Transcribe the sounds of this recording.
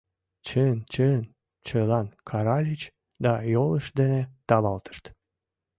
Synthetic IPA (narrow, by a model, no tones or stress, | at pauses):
t͡ɕənt͡ɕən | t͡ɕəlɑnkʰɑɾɑlʲit͡ɕ | d̪ɑjoləʃd̪enet̪ɑβɑlt̪ə̥ʃt̪